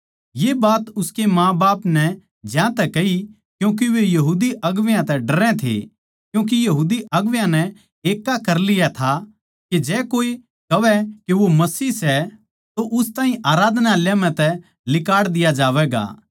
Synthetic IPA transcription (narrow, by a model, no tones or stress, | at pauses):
jebaːt̪ʊskemãːbaːpnɛ | d͡ʒjãt̪ɛkɐɦi | kjũːk̬iʋejɐɦuːd̪iʔɐɡʋjãt̪ɛɖɐɾɛ̃t̪ʰḛ | kjũːk̬ijɐɦuːd̪iʔɐɡʋjãnɛ | eːkːakɐɾlɪjat̪ʰa | ked͡ʒɛːkoːi | kɐʋɛkeʋomɐsiːsɛ | t̪oʔʊst̪aːɦĩʔaːɾaːd̪ʱnaljãmɛ̃t̪ɛ | lɪkaːɽd̪ɪjad͡ʒaːʋɛɡa̰ː